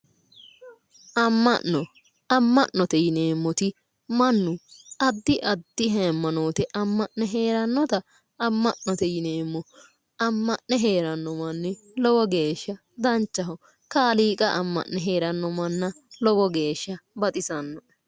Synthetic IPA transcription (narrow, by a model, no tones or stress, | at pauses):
ʔɐmːɐ̰nːɔ | ɐmːɐʔnɔt̪ɛjɪneːmːɔt̪ɪ | mɐnːʊɐd̪ːɪʔɐd̪ːɪɦɛmːɐno̞ːt̪ɛʔɐmːɐʔnɛɦeːɾɐnːɔt̪ɐ | ɐmːɐʔnɔt̪ɛjɪneːmːɔ | ɐmːɐʔnɛɦeːɾɐnːɔmɐnːɛlɔwɔɡe̞ːʃːɐ | d̪ɐnt͡ʃːɐɦɔ | kaːliːkʼɐʔɐmːɐ̰ʔnɛɦeːɾɐnːɔmɐnːɐlɔɡɔɡe̞ːʃːɐbɐt̪ʼɪsɐnːɔ